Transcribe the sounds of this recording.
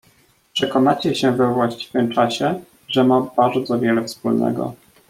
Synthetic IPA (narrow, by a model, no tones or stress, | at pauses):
pʂɛkɔnat͡ɕɛɕɛvɛvwaɕt͡ɕi̥vɘmt͡ʂaɕɛ | ʐɛmabaɾd̪zɔvʲjɛlɛfspulnɛ̰ɡɔ̰